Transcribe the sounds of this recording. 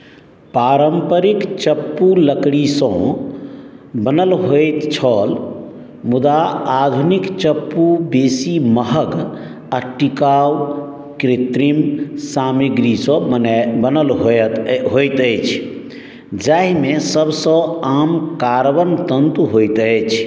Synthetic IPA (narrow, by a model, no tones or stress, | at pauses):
paɾəmpəɾikt͡ʃəpːuləkɽisə̃ | bənəlɦojt̪t͡ʃʰəl | mud̪aːd̪ʱunikt͡ʃəpːubesiməɦəɡ | aʈikaw | kɾit̪ɾimsamiɡɾisɔ̃bənəlɦot̪ɦojt̪əjt͡ʃʰ | d͡ʒaɦimesəbsə̃amkaɾbənt̪ənt̪uɦojt̪əjt͡ʃʰ